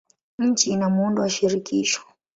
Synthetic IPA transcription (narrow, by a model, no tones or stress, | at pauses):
ɲ̩t͡ʃinamunduwaʃiɾikiːʃɔ̥